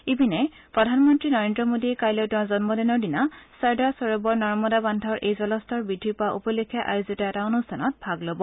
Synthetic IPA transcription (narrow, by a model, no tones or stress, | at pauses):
ibinɛ | pɹɔdʱanmɔntɹinɔɹendɹɔmodiɛkajlɔdɔzɔnmɔdɛnɔɹdinasaɹdasɔɹobɔɹnɔɹmɔdabandʱɔɹʔejzɔlɔstʰɔɹbidʱipaʔṵpɔlekʰːjaʔa̰jozɔtaɛtaonustʰanɔt̚bʱaɡlobɔ